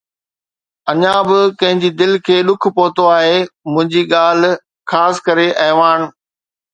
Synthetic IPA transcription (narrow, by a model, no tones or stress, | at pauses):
ɐɲãbɪkɐ̃ɦɪ̃ɲd͡ʑid̪ɪlkʰeːɗʊkʰpoːt̪oaːɦemʊ̃ɦɪ̃ɲd͡ʑiɠaːl̤̆ | xaːsɪ̥kɐɾeʔɐɦʋaːn